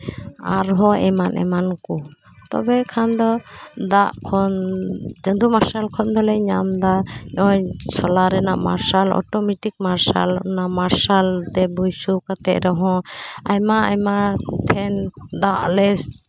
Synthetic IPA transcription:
aɾɦɔɛmanʔɛ̰manku | t̪ɔ̰bɛkʰand̪ɔd̪aʔkʰɔnd͡ʒənd̪umaɾsalkʰɔnd̪ɔlɛɲamd̪aɲɔjsɔlaɾɛnaʔma̰ɾsalɔ̰ʈɔmɛʈik̚maɾsa̰lnaʔmaɾsalt̪ɛbujsukat̪ɛʔɾɛɦɔ̃ajmaajmatʰɛnd̪aʔlɛs

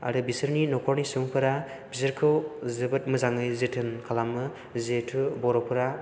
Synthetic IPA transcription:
a̰ɾɯbisɯɾninɔkʰɔɾnisuŋpʰɯɾa | bisɯɾkʰɯwzɯbɯt̚mɯzaŋɯjzetʰɯnkʰalamɯ | zetʰubɔɾɔpʰɯɾa

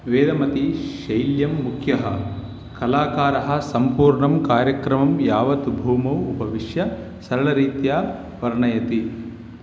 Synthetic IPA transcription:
ʋeːd̪ɐmɐt̪iʃɐjljɐmːukʰjɐɦɐ | kɐlaːkaːɾɐɦɐ̆sɐmpuːɾɳɐmkaːɾjɐkɾɐmɐmjaːʋɐt̪bʱuːmɐwupɐʋiʃjɐ | sɐɾɐɭɐɾiːt̪jaː | ʋɐɾɐɳɐjɐt̪i

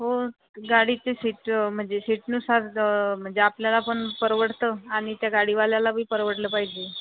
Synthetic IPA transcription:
ɦo | ɡaɽiːt͡sesiʈm̤əɳd͡zesiʈnusaɾm̤əɳd͡zeapljalapəɳpəɾʋəʈt̪əːaɽ̃it̪jaɡaɽiʋaljalabʱiːpəɾʋəɽləːpaɦid͡ʑe

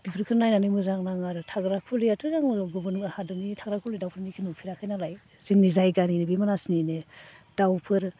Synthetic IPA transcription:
b̥ipʰɯɾkʰɯɾnajnanɯmɯzaŋnaŋaɾɯtʰaɡɾakʰuliatʰɯzaŋɡubɯnŋahadɯnitʰaɡɾakʰulijdawpʰɯɾnikʰinupʰiɾakʰajnalaj | z̥iŋnizajɡaninebimanasnined̥awpʰɯɾ

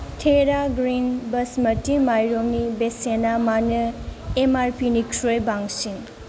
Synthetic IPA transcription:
tʰeɾaɡɾinbɐsmɐtimajɾoŋnibesenamanɯemaɾpʰinikʰɾojbaŋsin

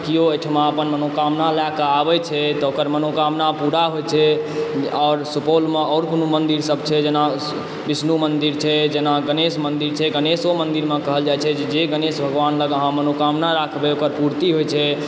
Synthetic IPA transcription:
kijoeʈʰmeəpənmənokamnalakəabɛt͡ʃʰɛt̪ɔokəɾmənokamnapuɽaɦojt͡ʃʰɛ | ɔːɾsupolmeɔʊɾkonumənd̪iɾsəbt͡ʃʰɛd͡ʒena | bisnumənd̪iɾt͡ʃʰɛd͡ʒenaɡənesmənd̪iɾt͡ʃʰɛɡənesomənd̪iɾmekəɦəld͡ʒajt͡ʃʰɛd͡ʒed͡ʒeɡənesbʱəɡʋanləɡəɦãmənokamnaɾakʰbɛokəɾpuɾt̪iɦojt͡ʃʰɛ

